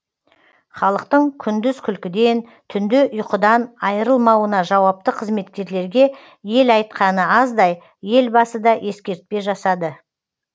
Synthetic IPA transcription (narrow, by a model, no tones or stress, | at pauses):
χɑlˠəqt̪əɴkʲʰʏnd̪ɪzkʲʰʏlkʲɪd̪e̞nt̪ʰʏnd̪ɪʔʊjqəd̪ɑnɑjəɾəlˠmɑwənɑʒɑwɑp̚t̪əqʰəzme̞t̪kʲe̞ɾle̞ɾɡʲe̞ | je̞lɑjt̪̚qɑnəɑzd̪ɑj | je̞lbɑsəd̪ɑʔe̞skʲe̞ɾt̪̚pe̞ʒɑsɑd̪ə